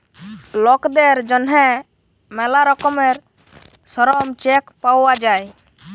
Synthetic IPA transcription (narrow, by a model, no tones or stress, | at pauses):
lɔkd̪ɛɾd͡ʒɔnɦɛ | mɛlaɾɔkɔmɛɾ | sɔɾɔmt͡ʃɛkpawad͡ʒaj